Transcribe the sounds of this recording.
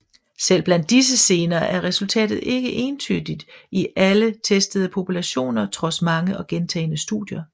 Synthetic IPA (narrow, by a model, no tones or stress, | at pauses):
sel̰b̥lænd̥ːis̬əse̝ːnɐːʔæɐʁɛsult͡sʰɛ̰ːd̥ð̩ˠʔe̝ɡ̥əʔe̝ːnt͡sʰyd̥id̥iʔælət͡sʰesd̥əð̞̩ˠəpʰo̝pʰulæɕo̝̰ːnɐt͡sʰʁɒ̽smɑ̈ŋəɒ̽ɡ̥ent͡sʰɛ̰ːɪnəsd̥ṵðˠjɐ